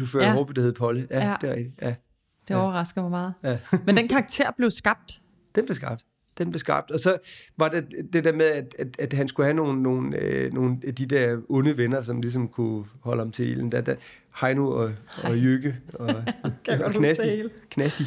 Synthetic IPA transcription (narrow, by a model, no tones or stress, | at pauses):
ufø̰ɐhob̥yd̥æɐheð̩ˠpʰɒ̽ləjæd̥e̝ʁɛ̰ɡ̥̚d̥ijʔæ | d̥eɒʊɐʁɑ̈sɡ̥ð̩ˠmɑmɑ̈ːð̩ˠjæmend̥enkʰɑ̈ːɡ̥̚t͡sʰe̝ɐ̰b̥le̝ʊsɡ̥ɑ̈b̥̚d̥ | d̥enmb̥le̝sɡ̥ɑ̈b̥̚d̥ | d̥enb̥le̝sɡ̥ɑ̈b̥̚d̥ɒ̽sɒ̽ʋɑ̈d̥ed̥e̝d̥æɐmeðˠæd̥æd̥æd̥ɦænsɡ̥uhæno̝ːn̩ːo̝ːn̩øno̝ːnæd̥id̥æɐɔ̽nəʋenɐs̬ɒ̽mlis̬ɒ̽mkʰuhɒ̽ləhɑ̈mt͡sʰe̝ḛːln̩d̥æd̥æ | hɑ̈ɪnuɒɒjøɡ̥əɒ̽ | knæsikʰnæsd̥i